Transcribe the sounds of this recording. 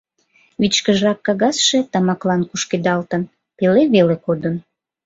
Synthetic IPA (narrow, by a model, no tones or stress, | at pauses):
βit͡ɕkəʒrɑkːɑɣɑsʃet̪ɑmɑklɑnkuʃked̪ɑlt̪ən | peleβelekod̪ən